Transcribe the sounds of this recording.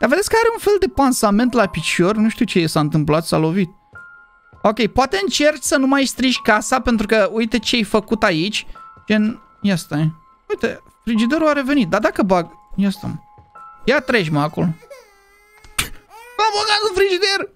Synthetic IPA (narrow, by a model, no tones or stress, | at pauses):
d̪̥aved̪esʲkəaɾeunfe̞ld̪e̞pansame̞nt̪lapit͡ʃo̞rnuʃt̪ut͡ʃejesaɨnt̪ɨmplat̪sa̰lo̞vit̪̚ | o̞kʲe̞jpoat̪e̞ɨnt͡ʃe̞rt͡ʃʲsənumajst̪ɾiʒʲkasape̞nt̪ɾukəujt̪e̞t͡ʃeejfəkut̪ait͡ʃʲt͡ʃen | jast̪ae | ujt̪e | fɾid͡ʒid̪eɾuaɾe̞ve̞nit̪̚d̪ad̪akəbaɡjast̪a̰mjat̪ɾeʒʲməako̞lo̞ | vaboɡat̪ufɾid͡ʒid̪er